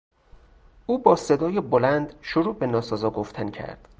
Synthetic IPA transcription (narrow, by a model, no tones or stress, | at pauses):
ʔuːbɒːsed̪ɒːjebolænd̪ʃoɾuːbenɒːsɒːzɒːɡoft̪ʰæncʰæ̰ɾd̪̥